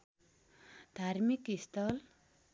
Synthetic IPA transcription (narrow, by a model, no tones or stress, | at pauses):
d̪ʱaɾmikist̪ʌl